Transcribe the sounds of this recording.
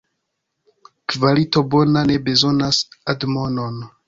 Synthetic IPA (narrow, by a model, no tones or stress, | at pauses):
kvalito̞bo̞nane̞be̞zo̞nasadmo̞no̞n